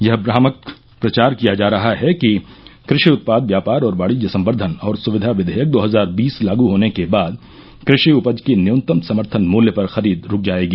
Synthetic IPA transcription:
jɐɦbɾaːmək̚ | pɾɐt͡ʃaːɾkijad͡ʒaːɾɐɦaɦɛkikɾɪʃiʊt̪̚paːd̪ʋjaːpaːɾɔːɾʋaːɽid͡ʒɐsɐ̃mbəɾd̪ʱənɔːɾsʊʋɪd̪ʱaʋɪd̪ʱəjək̚d̪oːɦɐzaːɾbiːslaːɡuɦoːnekebaːd̪ | kɾɪʃiʊpəd͡ʒkinɪʊ̃nt̪əmsɐməɾt̪ʰənmoːljəpɐɾxɐɾiːd̪ɾʊk̚ʰd͡ʒaːeːɡiː

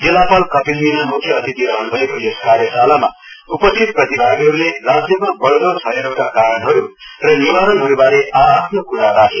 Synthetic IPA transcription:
d͡zilapʌlkʌpilminamuk̪ʰjʌʌt̪it̪iɾʌnbʱʌekojeskaɾjʌsalama̰ | upʌst̪ʰit̪̚prʌt̪ibʱaɡɦʌɾulerad͡zjʌpʌr̚bʌɭɡʌt͡sʰʌeɾokakaɾʌnɦojorʌnibaɾʌnɦoubaɾeʔaːpʰnokuɽaɾakʰe

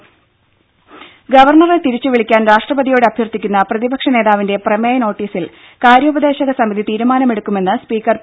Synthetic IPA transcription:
ɡɐʋɐrɳɐret̪iɾit͡ɕːuʋiɭikʲːaːnɾaːʂʈrɐbɐðijo̞ːɽɨɐbʱjɐrt̪ikʲːunːɐprɐðibɐkʂɐne̞ːðaːʋinde̞prɐmeːjɐno̞ːʈːiːsil | kaːɾjuːbɐd̪e̞ːɕɐɣɐsɐmiðit̪iːɾumaːnɐme̞ɽukːume̞nːɨspiːkːɐr

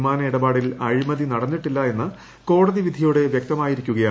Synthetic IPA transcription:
maːnɐiɽɐbaːɽilɐɻimɐðinɐɽɐnːiʈːilːɐe̞nːɨ | ko̞ːɽɐðiʋid̪ʱijuɽe̞ʋjek̚t̪ɐmaːjiɾikʲːuɣɐjaː

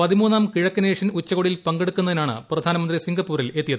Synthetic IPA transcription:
pɐðimuːnːaːmkiɻɐkːɐneːʂɐnut͡ɕːɐɣoɽilpɐŋɡeɽukːunɐðinaːɳɨ̰prɐd̪ʱaːnɐmɐnd̪risiŋɡɐpːuːɾile̞t̪ːijɐðɨ

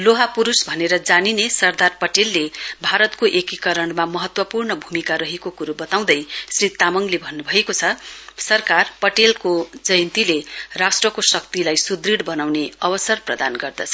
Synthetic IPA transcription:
loɦapuɾusbʱʌneɾʌd͡zaninesʌrd̪arpʌʈelːebʱaɾʌt̪koʔekikʌɾʌɳmamʌɦʌt̪wʌpurnʌbʱumikaɾʌɦekokuɾubʌt̪aw̃d̪ʌjsrit̪amʌŋlebʱʌnːubʱʌekot͡sʰʌsʌrkarpʌʈelkod͡zʌjnt̪ilerasʈrʌkosʌk̚t̪ilajsud̪riɽbʌnawneʌbʌsʌrprʌd̪anɡʌrd̪ʌt͡sʰʌ

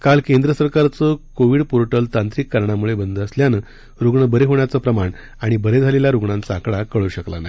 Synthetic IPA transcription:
kalkẽnd̪ɾəsəɾkaɾt͡səkoʋiːɽpuɾʈəlt̪ant̪ɾikːaɾɳamuɭebənd̪əsljanə | ɾuɡɳəbəɾeɦoɳjat͡səpɾəmaɳ | aɽ̃ibəɾed͡zʱaleljaɾuɡɳãnt͡saːkɭakəɭuːɕəkla̰naj

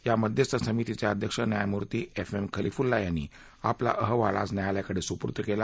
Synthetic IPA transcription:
jaməd̪ʱjəst̪ʰəsəmit̪it͡sjaəd̪ʱjəkʂənjajmuɾt̪iːefemkʰəlifuɾlajanːḭ | apla̰ʔəɦəʋala̰snjajaljakəɽesupuɾt̪əkela

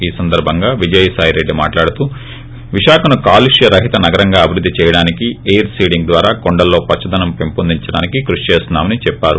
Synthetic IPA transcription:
iːsɐnd̪ɐɾbʱɐŋɡaːʋid͡ʒɐjɐsaːjɾe̞ɖːima̰ːʈlaːɽut̪uː | ʋiʃaːkɐnukaːluʂjɐɾɐɦit̪ɐnɐɡɐɾɐŋɡaːɐbʱiɾud̪ːit͡ʃɛːjɐɽaːnikiejɐɾsiːɽiŋɡd̪ʋaːɾaːkoɳɖɐlːo̞ːpɐt͡ʃːɐd̪ɐnɐmpempund̪iɲt͡ʃɐɽa̰ːnikikɾuʂt͡ʃeːsnaːmɐnit͡ʃɛpːaːɾṵ

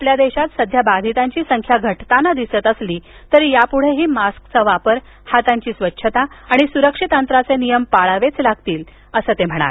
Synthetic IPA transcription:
apljad̪eɕat̪səd̪ʱjabad̪ʱit̪aɲt͡ɕiːsəŋkʰjaɡʱəʈt̪anad̪isət̪əsliːt̪əɾjapuɽ̤eɦiːmaskt͡səʋapəɾ | hat̪aɲt͡ɕiːsʋətːɕʰət̪aaɽ̃isuɾəkʂit̪ənt̪ɾat͡senijəmpaɭaʋet͡slaɡ̚t̪iːl | əsət̪em̤əɽ̃a̰l

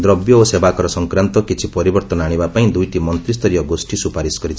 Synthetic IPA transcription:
d̪ɾɔbjɔosebakɔɾɔsɔŋkɾant̪ɔkit͡ʃʰipɔɾibɔɾt̪ɔnaɽ̃ibapaĩd̪ujʈimɔnt̪ɾist̪ɔɾijɔɡosʈisupaɾisɔ̥ɡɔɾit͡ʃʰ

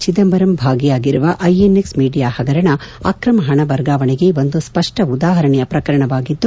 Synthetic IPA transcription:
t͡ʃid̪ɐmbɐɾɐmbʱaːɡijaːɡiɾuʋɐʔɐjenːeksmiːɖijaːhɐɡɐɾɐɳɐa̰ːkɾɐmɐɦɐɳɐbɐɾɡaːʋɐɳeɡe̞ʋo̞nd̪uspɐʂʈɐud̪aːɦɐɾɐɳɛjɐpɾɐkɐɾɐɳɐʋaːɡid̪ːu

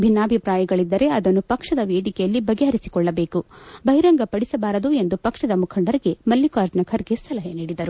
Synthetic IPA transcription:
bʱinːaːbʱipɾaːjɐɡɐɭid̪ːɐɾe̞ɐd̪ɐnːupɐkʂɐd̪ɐʋeːd̪ikɛjɐlːibɐɡeɦɐɾisi̥kɔɭːɐbe̞ːkubʱɐɦjɾɐŋɡɐpɐɽisɐbaːɾɐd̪ue̞nd̪upɐkʂɐd̪ɐmukʰɐɳɖɐɾiɡe̞mɐlːikaːɾd͡ʒnɐkʰɐɾɡe̞sɐlɐɦeniːɽid̪ɐɾu

